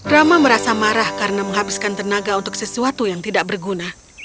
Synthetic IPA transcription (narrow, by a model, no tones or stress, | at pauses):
ɾamaməɾasamaɾahkaɾənaməŋɦabɪskant̪ərnaɡaunt̪ʊk̚səsuat̪ujaŋt̪idaʔ̚bərɡuna